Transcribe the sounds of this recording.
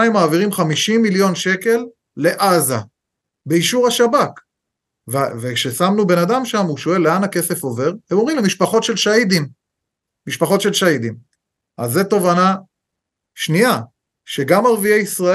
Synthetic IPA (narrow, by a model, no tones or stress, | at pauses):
imaːviʁimχamiʃimːiljo̞nʃe̞ke̞lː | e̞ʔaza | beiʃuʁaʃabak | vvekʃe̞samnube̞nadamʃamuʃo̞e̞lːeanake̞se̞fo̞ve̞ʁhemoʁimlemiʃpaχo̞tʃe̞lʃaid̪imː | iʃpaχo̞tʃe̞lʃaid̪im | ʔazːeto̞vana | ʃnia | ʃe̞ɡamaʁviejisʁa